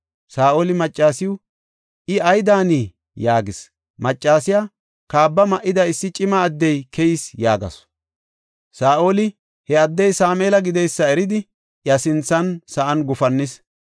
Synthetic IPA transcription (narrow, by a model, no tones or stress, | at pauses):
saːʔoːlɪmɐt͡ʃʼːaːsɪjʊ | ʔɪɐjd̪aːniː | jaːɡɪs | mɐt͡ʃʼːaːsɪja | kaːbːɐmɐʔɪd̪ɐɪsːɪt͡ʃʼɪmɐːd̪ːɛjkʰɛjɪsjaːɡɐ̰s | saːʔo̞ːlɪ | hɛɐd̪ːɛjsaːmeːlɐɡɪd̪ɛjsːɐɛɾɪd̪ɪ | jɐsɪnt͡sːɐnsɐʔɐnɡʊfɐnːɪs